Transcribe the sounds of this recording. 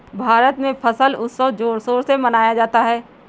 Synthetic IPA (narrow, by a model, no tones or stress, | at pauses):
bʱaːɾət̪mẽpʰɐsəlʊsːəʋd͡ʒoːɾsoːɾsemɐnaːjad͡ʒaːt̪aɦɛː